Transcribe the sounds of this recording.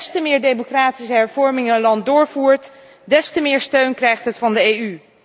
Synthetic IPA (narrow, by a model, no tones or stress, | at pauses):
stəmɪːɹdejmokraːtisəɦɛɹvɔɹmɪŋənlɑnt̚dʊːɹvuːɹt | dɛstəmɪːɹstøɥnkrɛjχtɦətfɑndəejy